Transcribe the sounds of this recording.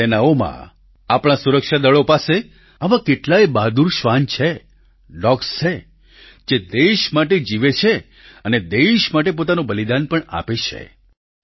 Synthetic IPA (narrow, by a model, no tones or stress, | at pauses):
enaomã̰ | apɽ̃ãsuɾəkʃad̪əɭopase | aʋãkeʈlaebad̪uɾʃʋant͡ʃʰe | ɖɔkst͡ʃʰe | d͡ʒed̪eʃmaʈed͡ʒiʋet͡ʃʰe | əned̪eʃmaʈep̬ot̪anõbəlid̪anpəɳa̰pet͡ʃʰḛ